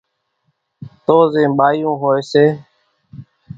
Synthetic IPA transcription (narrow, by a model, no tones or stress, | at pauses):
t̪oːzẽːɓaːjũːɦoːeːseː